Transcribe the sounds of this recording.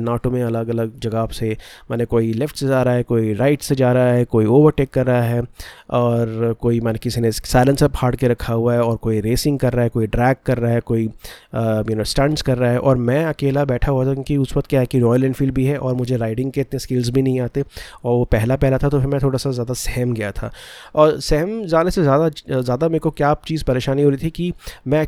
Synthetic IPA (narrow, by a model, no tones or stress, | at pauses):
naːʈõmẽɐləɡɐləɡ̚d͡ʒɐɡasemɛːnekoːilɪfʈsed͡ʒaːɾaɦɛkoːiɾaːɪʈsed͡ʒaːɾaaɦɛkoːioːʋəɾʈeːkːɐɾːaɦaɦɛɔːɾkoːimɛ̃ːnekɪsinesaɪlə̃nsephaːɖkeɾɐkʰaɦuaɦɛɔːɾkoːiɾeːsɪ̃ŋɡ̚kɐɾːaɦɛkoːiɖɾɛːkːɐɾːaɦɛkoːi | junɪsʈɐ̃ɳɖskɐɾːaɦɛʔɔːɾmɛ̃ɐkeːlabɛːʈʰaɦuat̪ʰakjõːkiʊsʋɐkt̪kjaɦɛkiɾɔːjəlɛ̃ːɳfiːlɖbʱiɦɛʔɔːɾmʊd͡ʒʱeɾaːɪɖɪ̃ŋɡkeɪt̪neskeːlzbʱinɐɦĩaːt̪eɔːɾʋopɛɦlapɛɦlat̪ʰat̪opʰɪɾmɛ̃t̪ʰoːɽasazjaːd̪asɛɦɛmɡɐjat̪ʰa̰ːɔːɾsɛɦɛmd͡ʒaːnesezjaːd̪azjaːd̪ameːɾkokjaːt͡ʃiːzpɐɾeːʃaːniɦoːɾit̪ʰikimɛ̃